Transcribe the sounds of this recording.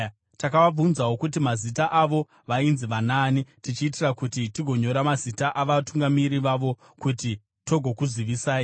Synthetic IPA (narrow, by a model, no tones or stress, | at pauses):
takaʋab͡vunzawo̞kut̬imazitaʔaʋo̞ | ʋainziʋanaːnitit͡ʃiːtirakutitiɡʱo̞ɲo̞ɾamazitaʔaʋatuŋɡamiɾiʋaʋo̞ | kuti | to̞ɡʱo̞kuziʋisaːi